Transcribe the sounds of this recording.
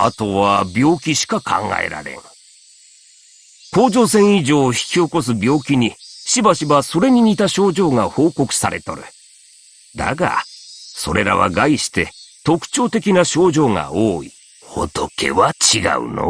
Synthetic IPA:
a̰t̪o̞βabʲjo̞ːkʲiɕi̥kakʰã̰ŋɡa̰ḛɾa̰ɾẽ̞̰ŋ | ko̞ːʑo̞ːsẽ̞ɰ̃iʑo̞ːçi̥kʲio̞ko̞s̬ɨbʲo̞ːkʲiɲ̟iɕibaɕiβaso̞ɾe̞ɲ̟iɲit̪aɕo̞ːd͡ʑo̞ːŋaho̞ːko̞kɯ̟̥saɾʔe̞t̪o̞̰ɾɯ̟ | d̪a̰ɡa̰so̞̰ɾe̞ɾa̰βa̰ɡaiɕi̥t̪e̞t̪o̞kɯ̟̥t͡ɕo̞ːt̪e̞kʲinaɕo̞ːʑo̞ːŋa̰oːi | ho̞̰t̪okʰe̞̰βat͡ɕiɡa̰ɯ̟̰no̰

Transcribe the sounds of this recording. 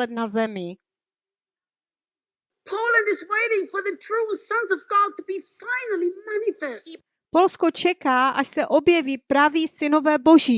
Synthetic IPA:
ɛt̪̚nazɛmɪ | pʰoʊlˠə̃ndɨzweɪɾɪ̃ŋfə˞ðɨtʰɹ̥usʌ̃nzʌvɡɑd̚təbifãɪnəl̩ˠimænɪfɛs | po̞lskot͡ʃɛkaːʔaʃsɛʔo̞bjɛviːpɾaviːsɪnovɛːbo̞ʒiː

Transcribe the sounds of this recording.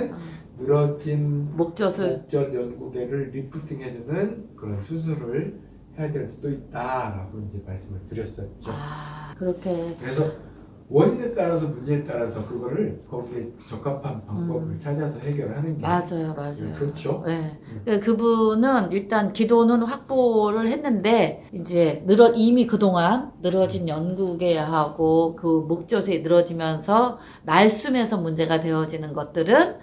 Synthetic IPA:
nnɯɾʌd͡ʑinmok̚t͡ɕ͈ʌsʰɯɭok̚t͡ɕ͈ʌnjʌnɡude̞ɾɯɭɾipʰutʰiŋɦed͡ʑunɯnkɯɾʌnsʰus̬ʰɯɾɯɭ | he̞jadwe̞ɭs͈udoit̚t͈aɾaɡoind͡ʑe̞maɭs͈ɯmɯɭtɯɾjʌs͈ʌit͡ɕ͈oakɯɾʌkʰe̞kɯɾe̞sʰʌ | wʌɲinet͈aɾasʰʌmuɲeet͈aɾasʰʌkɯɡʌɾɯɭkʌɡiet͡ɕʌk͈ʰapʰanpabʌbɯɭt͡ɕʰad͡ʑiasʰʌɦe̞ɡjʌɾɯɭhanɯnɡemad͡ʑajomad͡ʑajokɯɾʌt͡ɕʰoje̞kekɯbunɯniɭt͈ankidonɯnɸwak̚p͈oɾɯɭhe̞nːɯnde̞ | ind͡ʑe̞nɯɾʌimikɯdoŋanːɯɾʌd͡ʑinjʌnɡuɡe̞ɦaɡokɯmok̚t͡ɕ͈ʌsʰenɯɾʌd͡ʑimjʌnsʰʌ | naɭs͈ume̞sʰʌmund͡ʑe̞ɡadwe̞jʌd͡ʑinɯnɡʌt̚t͈ɯɾɯn

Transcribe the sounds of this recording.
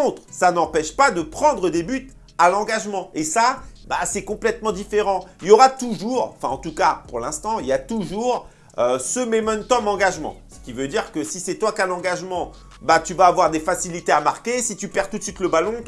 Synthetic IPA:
ɔ̃t̪χsanɑ̃pɛʃpad̪əpχɑ̃d̪ʁəd̪ebyt̪ | alɑ̃ɡaʒmɑ̃esabasɛkɔ̃plɛt̪mɑ̃d̪ifeʁɑ̃iljɔʁat̪uʒuʁɑ̃fɛ̃ɑ̃t̪ukapuʁlɛ̃st̪ɑ̃iljat̪uʒuʁ | øsəmemɔnt̪ɔmɑ̃ɡaʒmɑ̰̃sə̥kʲivød̪iʁkəsisɛt̪wakalɑ̃ɡaʒmɑ̃ | bat̪yvaːvwaʁd̪efasilit̪eamaʁkʲesit̪ypɛʁt̪ut̪sɥit̪ləbalɔ̃

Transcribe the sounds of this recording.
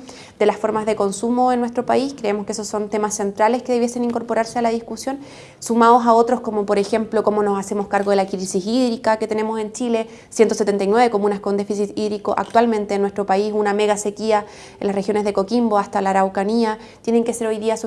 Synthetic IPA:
d̪̥e̞lasfo̞ɾmazðe̞ko̞nsumo̞enːwest̪ɾopaiskɾe̞emo̞skeesosːo̞nt̪e̞masːe̞nt̪ɾaleskeðeje̞se̞niŋko̞ɾpoɾaɾse̞alaðiskusjo̞n | sumaosao̞t̪ɾo̞skomopoɾe̞xemplo̞ko̞mo̞no̞sase̞moskaɾɣo̞ðe̞lakɾisisiðɾikake̞t̪ene̞mo̞se̞nt͡ʃile̞ | sje̞nt̪oset̪ent̪ajnwe̞βeko̞munaskond̪e̞fisit̪iðɾikoʔa̰kt̪walmẽ̞nt̪eːnːwet̪ɾo̞paisuname̞ɣase̞kia | enlasrexjone̞zðe̞ko̞kimbo̞ast̪alaɾawkania | t̪je̞neŋkeseɾo̞jðiaso

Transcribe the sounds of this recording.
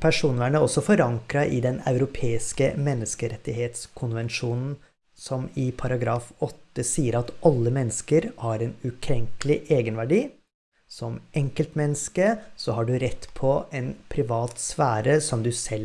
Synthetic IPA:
pʰæʂuːnʋæːɳəɔsːɔfɔɾɑŋkɾɑʔɪd̪ɛnɑ̰ʉɾʊpʰeːɪskəmɛnːəskəɾɛt̪ːɪɦeːt̪skʰʊnʋɛnʃuːnn̩ | sɔmɪpʰɑɾɑɡɾɑːfɔt̪ːəsiːəɾɑt̪ɑlːəmɛnːəskəɾhɑɾɛnʉkʰɾɛŋklɪʔeːɡənʋæɖiː | sɔmɛŋkəlt̪mɛnːəskəsɔhɑɖʉɾɛt̪ːpʰɔɛnpʰɾɪʋɑːt̪sʋæːɾəsɔmd̪ʉsɛl

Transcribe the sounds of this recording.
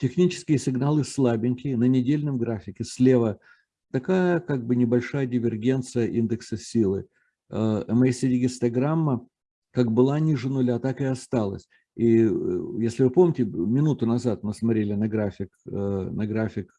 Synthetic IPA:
tʲɪxnʲit͡ɕɪ̥skʲɪjəsʲɪɡnalˠɨslˠabʲɪnʲkʲɪnənʲɪdʲelʲnəmɡɾafʲɪkʲɪsʲlʲe̞və | t̪ɐkajəkaɡ̚bɨnʲɪbɐlʲʂajədʲɪvʲɪrɡʲe̞nt̪sɨjəʔind̪ɨksəsʲilˠɨ | əəmɐesʲedʲɪɡʲɪst̪ɐɡɾamːə | kaɡbɨlˠanʲiʐɨnʊlʲat̪akɨɐst̪alˠə̰sʲ | ijesʲlʲɪvɨpo̞mnʲɪtʲɪmʲɪnut̪ʊnɐzat̪mɨsmɐt̪ɾʲelʲɪnɐɡɾafʲɪknɐɡɾafʲɪk

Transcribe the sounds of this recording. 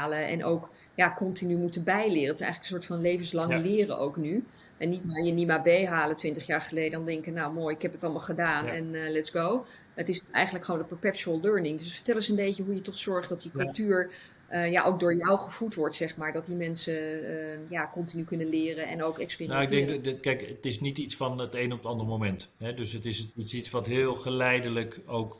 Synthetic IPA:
aləʔɛ̰nʔo̰wk | jakɔntinymutənbɛjlɪːrətɪ̥sɛ̰jχələkəns̬ʊːɹtfɑnlejvənslɑŋəlɪːrə̰ʔo̰wkny | ʔɛnːitnaːɹjənimabejɦaːlətʋɪntəχjaːɹχəlejdədɑndɛŋkjənawmoːjɪkɦɛpətɑlˠmaːlˠχədaːnɛnlɛtsɡow | ətɪsɛ̰jχənləkχəʋowndəpəɹpɛkt͡ʃuəlˠløɹnɪŋdøs̬ətfə̥tɛlˠəsənbejcəɦujətɔχsɔɹχdɑtdikɵlˠtyːɹ | ʔəja̰ʔoʊwk̚dʊːɹjɔwχəv̥utʋɔɹtsɛχmaːɹdɑt̚dimɛnsəəjaːkɔntinykɵnəlɪːrənɛ̰nowkɛkspiːrinoɪɡdɛŋkkɛjkətɪsnititsfɑnətejnɔpətɑndərmomɛntɦɛdøsətɪsisitsʋɑtɦɪːlˠχəlɛjdələkowk

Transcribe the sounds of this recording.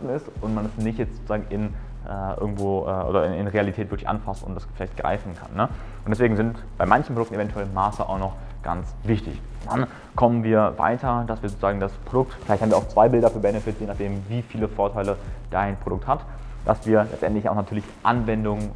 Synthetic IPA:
tn̩ɪstʔʊntmanɛsnɪçtjɛt͡stz̥oːt͡sʊzaːɡŋ̩ɪn | ʔɛːʔɪ̰ɐɡŋ̩tv̥oːʔɛːʔo̰ːdɐɪnɪnʁealitʰɛːtv̥ɪɐklɪçʔa̰nfastʊ̰ntd̥asfɪlaɪçt̚ɡ̥ʁa̰ɪfn̩kʰa̰nːə | ʔʊntd̥ɛs̬v̥eːɡŋ̩zɪnt | b̥aɪmançn̩pʁodʊktn̩evɛntʰuɛlmːaːsəʔa̰ʊxnɔχ | ɡ̥a̰nt͡svɪçtɪ̰ç | d̥an | kʰɔmənviːɐva̰ɪtʰɐd̥asv̥iːɐzoːt͡sʊzaːɡŋ̩daspʁ̥odʊk̚tfɪlaɪçthaːmviɐaʊt͡sv̥aɪbɪldɐfyːɐbɛnəfɪtjeːnaχd̥eːmviːfiːləfoːɐtʰaɪləd̥aɪnpʁ̥odʊk̚that | d̥a̰sv̥iːɐlɛ̰t͡stʔɛntlɪçaʊxnatʰyːɐlɪçʔa̰nvɛndʊŋ

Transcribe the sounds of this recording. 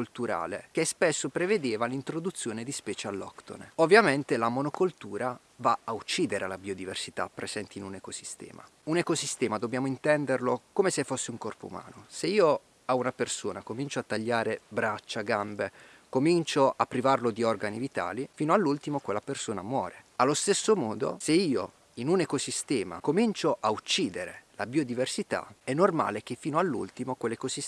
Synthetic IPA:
ult̪uɾa̰ːlḛkespesːopɾeved̪eːvalint̪ɾod̪ut̪sːjoːned̪ispɛːt͡ʃealːɔ̰kt̪o̰novːjament̪elamonokolt̪uːɾa | vaaut͡ʃːiːd̪eɾealabiod̪iversit̪a̰pːɾez̥ɛnt̪iːnunekosi̥st̪ɛ̰ːma̰ | unekosist̪ɛːmad̪objaːmoint̪ɛnd̪erlokoːmesefːosːeuŋkɔrpo̰ṵma̰ːnoseiːo | aunapersoːnakomint͡ʃoat̪ːaʎːaːɾebɾat͡ʃːaɡambe | komint͡ʃoapːɾivarlod̪iɔrɡanivit̪a̰ːlifiːnoalːult̪imokwelːapersoːnamwɔ̰ːɾealːost̪esːomɔːd̪o̰seiːo̰ | inunekosist̪ɛːma̰komint͡ʃoʔaut͡ʃːiːd̪eɾelabiːod̪iversit̪a̰ɛnːorma̰ːlek̟efːiːnoalːṵlt̪imokwelːekosis

